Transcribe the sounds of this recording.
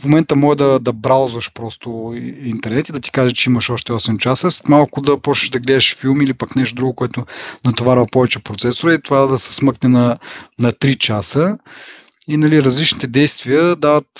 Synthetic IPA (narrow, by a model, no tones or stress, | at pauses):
fmomɛnt̪əmɔʒɛd̪ɐd̪ɐbɾalˠzvəʃpɾɔst̪ʊint̪ɛɾnɛt̪id̪ɐt̪i̥kaʒɛt͡ʃɛimɐʃɔʃt̪ɛɔsɛmt͡ʃasəsmalˠkʊd̪ɐpɔt͡ʃɛ̥ʒd̪ɐɡlɛd̪ɛʃfilˠmilipaknɛʃt̪od̪ɾuɡʊkoɛt̪ʊnɐt̪ovaɾvɐpɔvɛt͡ʃɛpɾot̪sɛsoɾəit̪ovad̪ɐsɛ̥smɤknɛnɐnɐt̪ɾit͡ʃasə | inɐliɾɐzlit͡ʃnit̪ɛd̪ɛjst̪viəd̪avət̪